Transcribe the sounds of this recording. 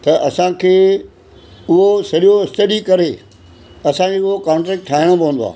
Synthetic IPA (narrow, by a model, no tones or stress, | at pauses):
t̪ɐʔɐsãkʰeː | ʊɦosɐɗijoɪst̪ɐɗikɐɾe | ɐsãd͡ʑeʊɦokãːɳʈɾɛːk̚ʈʰːaːɪɽ̃õbɐ̃nd̪oa̰ː